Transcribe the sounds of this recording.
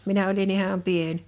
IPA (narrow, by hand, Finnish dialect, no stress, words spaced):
minæ olin ihɑm pien